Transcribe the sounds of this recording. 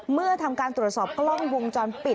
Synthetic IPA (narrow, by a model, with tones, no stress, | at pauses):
mɯ˥˩ɐt̪ʰa˧mkaː˧nt̪ɾu˨˩ət̪sɔː˨˩p̚klɔ˥˩ŋwo˧ŋt͡ɕɔː˧npi˨˩